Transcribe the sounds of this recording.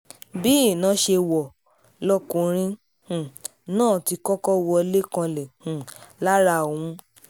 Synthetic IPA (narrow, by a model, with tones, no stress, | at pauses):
bi˦˨nã˨˦ʃe˧wɔ˨ | lɔ˦kũ˧ɾ̃ĩ˦ | hũ˨ | nãː˦˨ti˧kɔ˦kɔ˦wɔ˧le˦kã˧lɛ˨hũ˨la˦ɾa˧˨wũ˨˦